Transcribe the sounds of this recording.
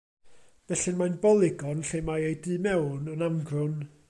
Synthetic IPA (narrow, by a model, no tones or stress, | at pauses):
vɛɬɪnmajnbɔlˠɪɡɔnɬejmajejdɨːmɛwnənamɡrʊn